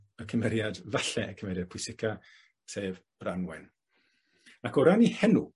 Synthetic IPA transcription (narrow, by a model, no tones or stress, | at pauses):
əkʰəmɛɾjadvaɬɛəkʰəmɛɾjad̚pʰʊɪsɪkʰa | seːvb̥ranwɛn | akɔɾanihɛnu